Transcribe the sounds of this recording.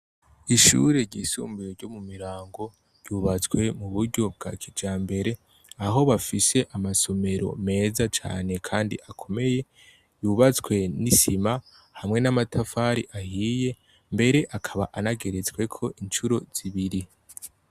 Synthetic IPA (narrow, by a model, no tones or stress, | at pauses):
iʃṵɾe̞ɾɟiːsṵːmbujoɾɟo̞mumiɾaːŋɡo̞ | ɾɟuːβat͡skwe̞muβuɾɟo̞b̚ɡa̰kʰid͡ʒaːmbe̞ɾe̞ | aɦo̞βafise̞ʔamaso̞me̞ɾo̞̰me̞ːzat͡ʃa̰ːne̞kʰaːndḭʔakʰo̞me̞je̞ | juβat͡skwe̞nisima | hamŋe̞namatʰafaːɾḭʔahiːje̞ | mbe̞ɾe̞ʔakʰaβa̰ʔanaɡe̞ɾe̞t͡swe̞kʰo̞ʔint͡ʃuɾo̞z̥iβiɾi